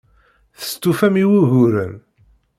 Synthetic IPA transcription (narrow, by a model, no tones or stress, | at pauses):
θə̥st̪ːufæmiwuʝʊɾən